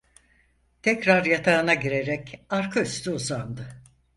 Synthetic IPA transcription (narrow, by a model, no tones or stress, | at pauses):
t̪ʰɛcɾaɾjat̪ʰaːɯnaɟiɾe̞ɾɛcaɾkʰayst̪ʰyuzand̪ɯ